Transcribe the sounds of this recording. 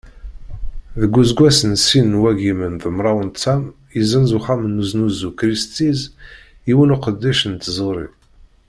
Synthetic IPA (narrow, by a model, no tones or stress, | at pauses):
ðəɡʷːuzɡʷæsənsinːwæɡimənðəmɾˤɑwənt̪sæm | izənzuχæmənːuznuzukɾist̪iz | iwənuqəd̪ːæʃənt̪zˤəɾˤi